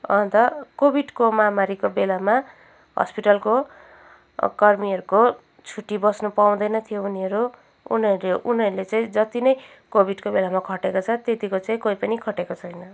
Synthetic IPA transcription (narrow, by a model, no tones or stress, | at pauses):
ʌ̰nt̪ʌkobiɖkomamaɾikobelama | ɦʌ̰spiʈʌlko | kʌrmiʌɾuko | t͡sʰuʈːibʌsnʌpaw̃d̪ʌjnʌt̪ʰijouniʌɾu | ṵnʌɾueʔuniʌɾulet͡saĩd͡zʌt̪inʌj | kobʱiɖkobelamakʰʌʈekot͡sʰʌt̪et̪ikot͡saĩkoipʌnikʰʌʈekot͡sʰʌjnʌ